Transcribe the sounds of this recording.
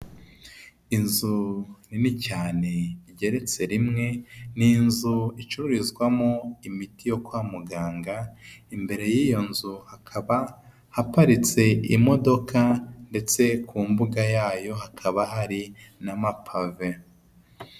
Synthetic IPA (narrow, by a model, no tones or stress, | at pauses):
inzuninicaːne̞iɟe̞ɾe̞t͡se̞ɾimŋe̞ninzuit͡ʃuɾuɾizɡwamoimitijo̞kwaːmuɡaːŋɡaimbe̞ɾe̞jijo̞nzuhakʰaβa | hapaɾit͡se̞ḭmo̞do̞kʰande̞t͡se̞kʰuːmbuɡajaːjo̞ɦakʰaβaɦaɾi | namapʰave